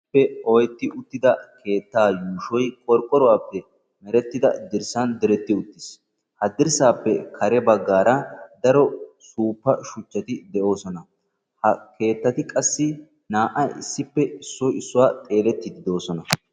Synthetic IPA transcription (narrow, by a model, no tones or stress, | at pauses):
pːɛɔjɛt̪ːɪʔʊt̪ːɪd̪ɐkʰe̞ːt̪ːaːjuːʃɔjkʼɔɾkʼːɔɾɔwaːpːɛ | mɛɾɛt̪ːɪd̪ɐ̰d̪ɪɾsɐnd̪ɛɾɛt̪ːɪʊt̪ːɪs | hɐd̪ɪɾsaːpːɛkʰɐɾɛbɐɡːaːɾɐd̪ɐɾɔsuːpːɐʃʊt͡ʃːɐt̪ɪd̪ɛʔo̞ːsɔnɐ | hɐkʰe̞ːt̪ːɐt̪ɪkʼɐsːɪ | naːʔɐɪ̰sːɪpːɛɪsːɔjɪsːʊwaːt̪ʼe̞ːlɛt̪ːɪd̪ɪd̪o̞ːsɔnɐ